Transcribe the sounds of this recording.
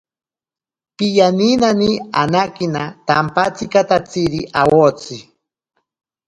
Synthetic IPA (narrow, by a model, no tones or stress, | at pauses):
pijaninanianakinat̪ampat͡sikat̪at͡siɾiʔawot͡si